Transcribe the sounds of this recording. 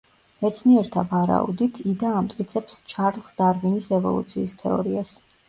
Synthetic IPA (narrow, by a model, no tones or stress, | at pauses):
mɛt̪sʰniɛɾt̪ʰavaɾa̰ṵd̪it̪ʰid̪aːmt̪ʼqʼit̪sʰɛpst͡ʃʰaɾlˠsd̪aɾvinisɛvɔ̰lˠṵt̪sʰiːst̪ʰɛɔ̰ɾias